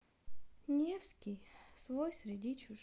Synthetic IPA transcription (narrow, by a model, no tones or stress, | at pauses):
nʲefskʲijsvojsɾʲɪdʲit͡ɕʊ